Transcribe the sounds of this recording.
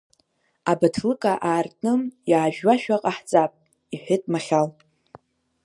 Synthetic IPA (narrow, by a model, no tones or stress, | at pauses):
abatʰlɨkʼaʔaːrtʼnɨmjaːʒᶣwaʃᶣaqʼaħt͡sʼapʼ | iħʷᶣɪtʼmaχʲal